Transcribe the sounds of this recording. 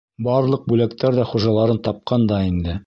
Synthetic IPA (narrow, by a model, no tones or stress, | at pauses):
bɑɾlˠɤq̚bʉlæk̚t̪æɾðæχuʒɑlˠɑɾɤnt̪ɑp̚qɑnd̪ɑind̪ɘ